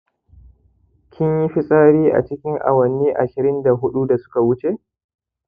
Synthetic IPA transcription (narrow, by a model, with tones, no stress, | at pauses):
kʲʰɪ˦ɲji˦ɸi˦sʼaː˦ɽiː˦ʔa̰˨t͡ʃɪ˦kʲɪ˦ŋʔa̰˨wɐ˨nːiː˦ʔa̰˨ʃɪ˨ɾɪ˦nda˨ɦʊ˦ɗu˦da˨sʊ̥˦ka˨wʊ˦t͡ʃe˦